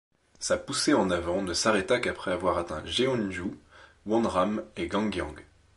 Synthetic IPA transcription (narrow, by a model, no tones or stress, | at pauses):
sapuseɑ̃navɑ̃nəsaʁɛt̪akapχɛavwaʁat̪ɛ̰̃ʒeɔ̃nʒu | wɔ̃nʁameɡɑ̃ɡjɑ̰̃ɡ